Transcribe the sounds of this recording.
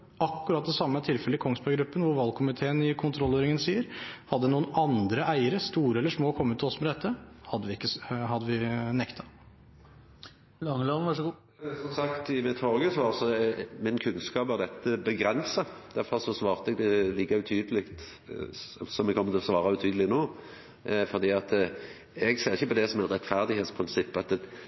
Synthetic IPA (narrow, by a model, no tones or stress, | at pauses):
ɑkːʉɾɑt̪̚d̪ɛsɑmːət̪ʰɪlfɛləɪkʰɔŋsbɑɡɾʉpːənʋʊɾʋɑlkʰʊmɪt̪ʰeːənɪkʰʊnt̪ʰɾɔlːøːɾɪŋənsiːəɾhɑd̪ːənuːənɑnd̪ɾəʔæɪəɾəst̪uːɾəɛlːəʂmoːkʰɔmːət̪ʰːɔsmɛd̪ɛt̪ʰːəhɑd̪ːəʋɪɪkːəshɑd̪ːəʋɪnɛkt̪ʰɑ | lɑŋəloʋɑʂɡː | sɔmsɑkt̪ɪmɛt̪ʰɔʁɡəsʋɑːʁsɔmɪnkʰʉnskɑːpæʁd̪ɛt̪ːəbəɡɾɛnsɑ | d̪̥æɾfɔɾsɔsʋɑːʁt̪əɛɡ̚d̪ɛliːkɑʉt̪ʰyːd̪əlɪkt̪ | sɔmɛɡkʰɔmːət̪ʰɪlɔsʋɑːɾɑʉt̪ʰyːd̪lɪnoː | fɔʁd̪iːɑt̪ | ɛɡseːʁɪçːəpɔd̪ɛsɔmæt̪ɾɛt̪fæʁd̪ɪheːt̪spʰʁɪnsɪpːɑt̪ɛ